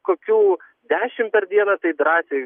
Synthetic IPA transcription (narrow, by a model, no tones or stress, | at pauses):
koːkʲuː | d̪ʲæːʃʲɪmpʲɛɾd̪ʲiɛnɐt̪ɐɪd̪ɾɑːsʲe